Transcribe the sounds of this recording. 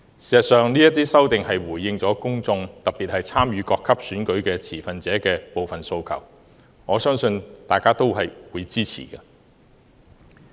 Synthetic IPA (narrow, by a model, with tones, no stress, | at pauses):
siː˨˩sɐ˨˩t̚sœː˨˧ŋniː˥jɐ˥t̪iː˥sɐ˥wt̪ɪ˨ŋhɐ˨jwuː˨˩jːɪ˧ŋt͡sɔː˨˥kʊ˥ŋt͡sʊ˧ŋt̪ɐ˨k̚piː˨t̚hɐ˨jt͡sʰaː˥mjyː˨˧kɔː˧kʰːɐ˥p̚syː˨˥nkɵ˨˥ɥkɛː˧t͡sʰiː˨˩fɐ˨nt͡sɛː˨˥kɛː˧po˨wfɐ˨˩nso˧wkʰɐ̰˨˩w | ŋɔː˨˧˥sœː˥ŋsɵ˧nt̪aː˨jkaː˥t̪o˥wɦɐ˨jwuː˨˧jt͡siː˥t͡sʰḭː˨˩kɐː˧